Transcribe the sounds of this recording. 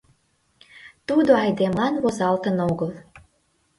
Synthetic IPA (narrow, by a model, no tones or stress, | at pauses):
t̪ud̪oɑjd̪emlɑnβozɑlt̪ənoɣəl